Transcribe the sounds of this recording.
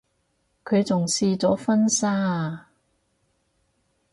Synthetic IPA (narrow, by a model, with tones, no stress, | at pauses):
kʰɵ˨˧ɥt͡sʊ˨˩ŋsiː˧t͡sɔː˨˥fɐ˥nsaː˥